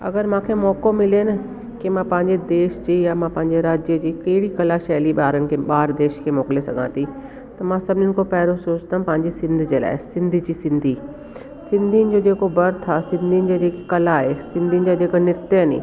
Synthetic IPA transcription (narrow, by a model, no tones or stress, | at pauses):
ɐ̰ɡəɾmãːkʰemɔːkomɪliənɪ | kimãːpɐ̃ɦɪ̃ɲd͡ʑed̪eːʃd͡ʑiːjamãpɐ̃ɦɪ̃ɲd͡ʑeɾaːd͡ʑjəd͡ʑiːkɐɽikɐlaʃɛːliɓaːɾənɪ̆kʰeːɓaːɾd̪eːʃkʰeːmoːklesɐɡʱã̰ːt̪ʰi | t̪ɐmãːsɐbʱnʊnɪ̆kʰopɛːɾosoːt͡ɕt̪ʰãpɐ̃ɦɪ̃ɲd͡ʑesɪ̃nd̪ʱd͡ʑeːla̰ːɪsɪ̃nd̪ʱid͡ʑiːsɪ̃nd̪ʱi | sɪ̃nd̪ʱinɪ̆d͡ʑoːd͡ʑeːkobɐɾt̪ʰasɪ̃nd̪ʱinɪ̆d͡ʑad͡ʑeːkikɐlaːɦesɪ̃nd̪ʱinɪ̆d͡ʑad͡ʑeːknɪɾt̪ənḭː